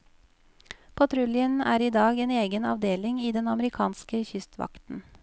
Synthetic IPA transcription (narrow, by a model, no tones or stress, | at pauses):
pʰɑt̪ʰɾʉlɪənæːɾiːd̪ɑːɡeːneːɡənɑ̰ʋd̪eːlɪŋiːd̪ɛnɑməɾɪkʰɑːnskəçʏst̪ʰʋɑ̰kt̪n̩